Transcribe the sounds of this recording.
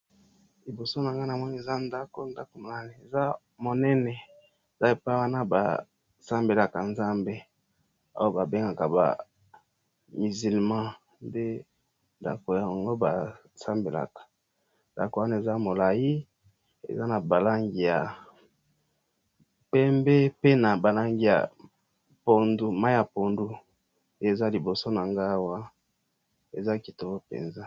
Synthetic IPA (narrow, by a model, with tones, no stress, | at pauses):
li˨bo˨so˦na˨ŋɡa˦n˨a˨mɔ˦ni˦e˨za˦nda˦ko˦nda˦ko˨ma˨na˨ni˨e˨za˦ | mo˨nɛ˦nɛ˨ | e˨za˦e˨pa˦wa˦na˦ba̰˨ | sa˦mbe˨la˨ka˨nza˦mbe˦ | a̰˦wo˦ba˨be˦ŋɡa˨ka˨ba̰˨ | mi˨zi˨lmã˦ | nde˦ | nda̰˨ko˨ja˨a˨ŋɡo˦ba˨ | sa˦mbe˨la̰˨kḁ˨ | nda̰˨ko˨wa˦n˦e˨za˦mo˨la˨ji˦ | ḛ˨za˦na˨ba˨la˦ŋɡi˨ja˨ | pɛ˦mbe˦pe˦na˨ba˨la˦ŋɡi˦ja̰˨ | po˦ndu˦ma˦ja˨po˨ndu˦ | je˦e˦˨za˦li˨bo˨so˦na˨ŋɡa˦wa˦ | e˨za˦ki˨to˨o˦pḛ˨nza˦